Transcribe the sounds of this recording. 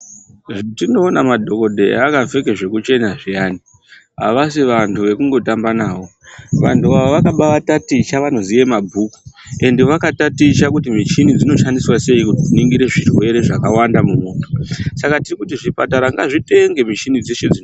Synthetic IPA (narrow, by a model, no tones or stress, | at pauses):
tino̞ːnamadʱo̞ko̞dʱe̞̰akave̞keʐe̞kut͡ʃe̞naʐijaːni | ɦa̰ʋasiʋantʰuʋe̞kuŋɡo̞tambanaːwo̞ʋantuaʋoʋakaɓaʋatatit͡ʃaʋano̞zije̞mabʱuku̥e̞ndeʋakatatit͡ʃakutimit͡ʃinid͡zino̞ʃandiswase̞ikutitiniŋɡiɾe̞ʐirwe̞ɾe̞ʐakawandamumoːto̞̥sakatirikutiʐipataɾaŋɡaʐite̞ŋɡe̞mit͡ʃinid͡zeʃed͡zi